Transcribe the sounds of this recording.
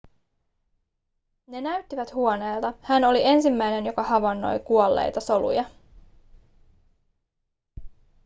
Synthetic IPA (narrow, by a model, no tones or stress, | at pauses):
ne̞næɥt̪ːiʋæt̪huo̞ne̞ːlt̪ɑhæno̞lie̞nsimːæjne̞njo̞kɑhɑʋɑnːo̞̰jkuolːḛjt̪ɑso̞lṵjɑ